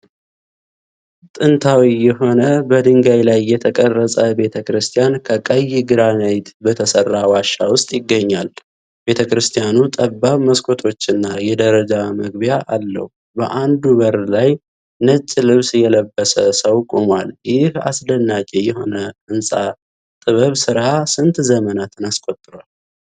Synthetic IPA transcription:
t̪ʼɨnt̪ʰawijɛɦo̞nəbəd̪ɨŋɡajlajːɛt̪ʰəkʼərːəsʼəbe̞t̪ʰəkɾɨst̪ʰijankʰəkʼəjɡɨɾanəjt̪bət̪ʰəsərːawaʃːawʊst̪ʼjɪɡːəɲːal | be̞t̪ʰəkɾɨst̪ʰijanut̪ʼəbːaβməskʰo̞t̪ʰo̞t͡ʃːɪnːajɛd̪əɾəd͡ʒaməɡbijaʔalːə̰hu | bəʔand̪uβəɾlaj | nət͡ʃʼːlɨβsjɛləbːəsəsəwkʼomwaljɪha̰sd̪ənːat͡ʃʼːejɛho̞nəɨnsʼa | t̪ʼɨβəβsɨɾasɨnt̪zəmənat̪ʰɨnaskʷʼo̞t̪ʼːɨɾwal

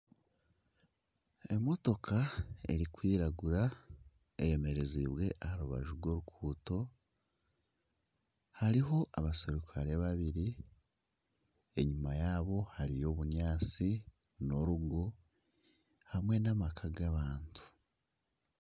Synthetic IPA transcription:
e̞mo̞to̞kʰae̞̰ɾikwiːɾaɡuɾa | eje̞me̞ɾe̞ziβwe̞ʔahaɾuβa̰ʒuɾɡwo̞ɾukʰuːto̞ | haɾiɦo̞ʔaβaseɾukʰaɾiaβaβiɾi | e̞ɲumajaːβo̞haɾijo̞ːβuɲaːt͡si | no̞ɾuɡo | hamwe̞namakʰaɡaβaːntʰu̥

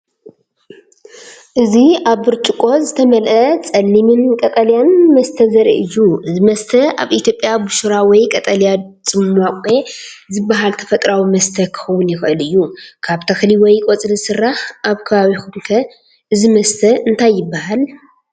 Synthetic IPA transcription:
ʔɨziʔaβɨɾt͡ʃʼɨkʼo̞zɨt̪ʰɐmɐlʔɐt͡sʼɐnːimɨnkʼɐt̪ʼɐlijanmɐst̪ʰɐzɐɾḭʔɨjːuɨzimɐst̪ʰɐʔa̰βit̪ʰjo̞pʼjabuʃuɾawɔjkʼɐt̪ʼɐlja | t͡sʼɨmːakʷʼe̞ | zɨbːaɦalt̪ʰɐ̥fɐt̪ʼɾawimɐst̪ʰɐkʰɨ̥xɐwʊnjɪxʔɨlɨjːukʰaβt̪ʰɐxliwɔjkʼot͡sʼlɨsɨrːahʔaβkʰɐβaβixunkʰɐ | ʔɨzimɐst̪ʰɐɨnt̪ʰajːɪbːahal

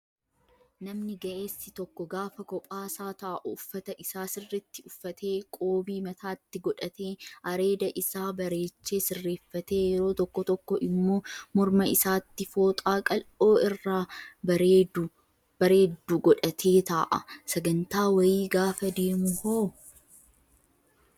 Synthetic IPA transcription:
nɐmnɪɡɐʔeːsːɪt̪ɔkːɔɡaːfɐkɔpʼaːsaːt̪ɐʔɐʔʊːfːɐt̪ɐʔɪsaːsɪrːɛt̪ːɪʊfːɐt̪ʰe̞ːkʼo̞ːbiːmɐt̪ʰaːt̪ːɪɡɔᶑɐt̪eːʔɐɾe̞ːd̪ɐʔɪsaːbɐɾe̞ːt͡ʃːeːsɪrːe̞ːfːɐt̪e̞ːjɛɾo̞ːt̪ɔkːɔt̪ɔkːɔʔɪmːo̞ːmɔɾmɐɪsaːt̪ːɪfo̞ːt̪ʼaːkʼɐlo̞ːɪrːaː | b̥ɐɾe̞ːd̪ːuɡɔᶑɐt̪ʰeːt̪aːʔɐ̰sɐɡɐnt̪aːwɐjiːɡaːfɐd̪e̞ːmʊhoː

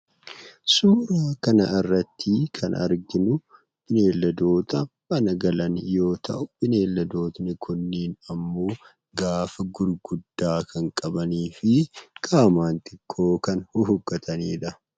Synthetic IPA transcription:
suːɾaːkɐnɐɪrːɐt̪ʰːiːkʰɐnɐ̰ɾɡɪnʊ | b̥ɪne̞ːlːɐd̪o̞ːt̪ɐbɐnɐɡɐlɐnjo̞ːt̪ɐ̰ʔʊbɪne̞ːlːɐd̪o̞ːt̪ɪnɪkʰʊnːiːnɐmːo̞ː | ɡaːfɐɡʊɾɡʊd̪ːaːkʰɐŋkʼɐbɐniːfɪkʼaːmaːnt̪ɪkʰːo̞ːkɐnhʊɦʊɡːɐt̪ʰɐniːᶑɐ

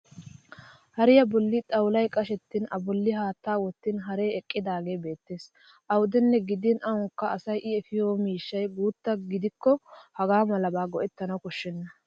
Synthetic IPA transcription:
hɐɾɪjɐbɔlːɪt̪ʼɐwlɐjkʼɐʃɛt̪ːɪnʔɐbɔlːɪɦaːt̪ːaːwɔt̪ːɪnɦɐɾeːɛkʼːɪd̪aːɡe̞ːbe̞ːt̪ːe̞ːs | ʔɐwʊd̪ɛnːɛɡɪd̪ɪnʔɐʊŋkːɐːsɐjʔɪɛfɪjoːmiːʃːɐjbuːt̪ːɐɡɪd̪ɪkːɔhɐɡaːmɐlɐbaːɡɔʔɛt̪ːɐnɐwkɔʃːɛnːɐ

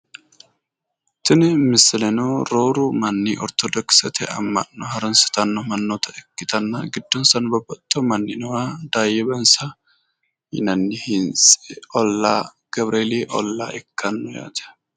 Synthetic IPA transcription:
t̪ɪnɪmɪsɪlɛnoːɾoːɾuːmɐnːiːʔɔ̰ɾt̪ɔd̪ɔksɛt̪ʰɛɐ̰mːɐ̰nːɔɦɐɾɐnsɪ̥t̪ɐnːɔmɐnːoːt̪ʰɐɛkːɪt̪ɐnːaːɡɪd̪ːɔnsɐnbɐbːɐt̪ːomɐnːɪnɔɾaːd̪aːjɛbɐnsɐ | hɪ̰nɐnːɪhɪnsɔlːaː | ɡ̥ɐbɾeːleːʔɔlːaːʔɛkːɐnːɔja̰ːd̪ɐ̥

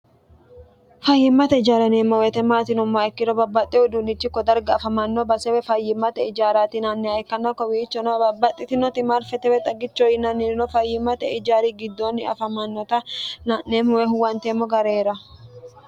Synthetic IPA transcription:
fɐjːɪmːɐt̪ɛɪd͡ʒaːɾɐneːmːɔwɛt̪ɛmaːt̪ɪnʊmːaːɛkːɪɾɔbɐbːɐt̪ʼːɛʊd̪unɪt͡ʃːɪkːɔd̪ɐɾɡɐɐfɐmɐnːɔbɐsɛwɛfɐjːɪmːɐt̪ɛɪd͡ʒaːɾaːt̪ɪnanːɛɐkːɐnːɔkɔwiːt͡ʃːɔnɔbɐbːɐt̪ʼːɪt̪ɪnɔt̪ɪmaɾfɛt̪ɛwɛt̪ʼɐɡɪt͡ʃːoɪnɐnːɪɾɪnɔfɐjɪmːɐt̪ɛɪd͡ʒaːɾiɡɪd̪ːoːnːɪɐ̰fɐmɐnːɔt̪ɐnaneːmɔwɛɦʊwɐnt̪eːmːɔɡɐɾeːɾɐ

